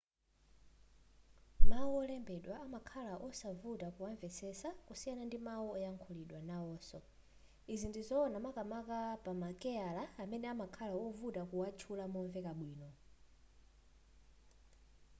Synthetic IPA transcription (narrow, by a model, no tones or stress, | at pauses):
mawuɔlɛmbɛɗwaamakʰalaʔɔsavutakuwaɱvɛsɛsakusijanandimawuɔjaŋkʰɔliɗwanaɔːsɔ | izindizɔːnamakamakapamakɛalaːmɛnɛamakʰalaɔvutakuwat͡ʃʰulamɔɱvɛkaɓwiːnɔ